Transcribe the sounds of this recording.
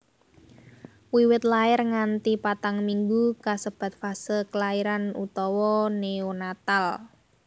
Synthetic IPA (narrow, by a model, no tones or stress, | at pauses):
wiwɪt̪̚laɪrŋant̪ipat̪aŋmiŋɡukasəb̥a̤t̪̚fasəlkəlaiɾanṵt̪ɔwɔneonat̪al